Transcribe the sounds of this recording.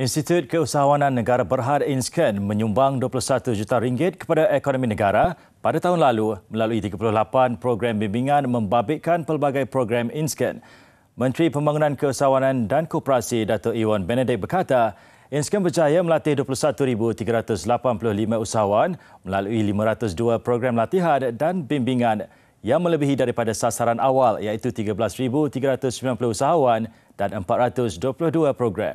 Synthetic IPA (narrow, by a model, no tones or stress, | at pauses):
inst̪it̪jut̪̚kəusaɦawanãnːəɡaɾabərɦarinskənmə̃ɲumbaŋduapulʊsat̪ud͡ʒut̪aɾiŋɡɪt̪̚kə̥padaʔekonɔminəɡaɾa | padat̪aɦʊnlalumə̃laluit̪iɡapulʊhlapanpɾoɡɾambimbiŋãnmə̃mbabɪkanpərbaɡajpɾoɡɾaminskə̰n | mə̃nt̪ɾipəmbaŋunãnkəusaɦawanãndankɔpəɾasidat̪ɔʔiwanbɛnɛdɪk̚bərkat̪a | inskənbərd͡ʒajaməlat̪ɪhduəpulʊhsat̪uɾibut̪iɡaɾat̪ʊslapanpulʊhlimãusaɦawanməlaluilimãɾat̪ʊsduapɾoɡɾamlat̪iɦandanbimbiŋãn | jaŋmə̃ləbiɦidaɾipadasasaɾanawaljait̪ut̪iɡablasɾibut̪iɡaɾat̪ʊsəmbilanpulʊhusaɦawan | d̥anəmpat̪̚ɾat̪ʊsduəpulʊhduapɾoɡɾa̰m